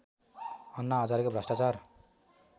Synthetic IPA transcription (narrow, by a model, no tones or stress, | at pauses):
ʌnːaɦʌd͡zaɾkobʱrʌsʈat͡sar